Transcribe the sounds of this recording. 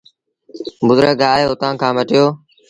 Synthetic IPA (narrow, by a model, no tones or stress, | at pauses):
bʊd̪ɾəːɡaːeːʊt̪ãːkʰãːməʈɪjoː